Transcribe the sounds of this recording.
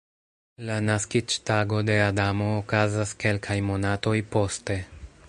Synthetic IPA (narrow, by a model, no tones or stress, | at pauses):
lanaskit͡ʃtaɡo̞de̞adamo̞ːkazaske̞lkʰajmo̞nato̞jpo̞ste̞